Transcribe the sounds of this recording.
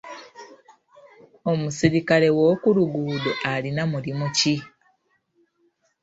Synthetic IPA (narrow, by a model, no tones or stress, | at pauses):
o̞musiɾikale̞wo̞ːkuluɡuːdoʔalinamulimuci